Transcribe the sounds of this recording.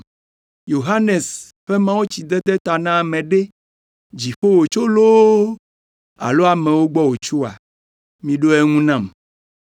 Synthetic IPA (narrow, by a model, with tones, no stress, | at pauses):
jo˨ɦa˦ne˨s | ɸe˦mã˦wo˦t͡ɕi˨d̪ɛ˦d̪e˦t̪a˨nã˦˨mẽ˨ɖe˦ | d͡ʑi˨ɸo˦wo˨t͡ʃo˦lo˦ | a̰˨lo˦a˨mẽ˨wo˦ɡ͡bɔ˦wo˨t͡ʃu˦a̰˨ | mĩ˨ɖo˦e˦ŋũ˦nã˦˨m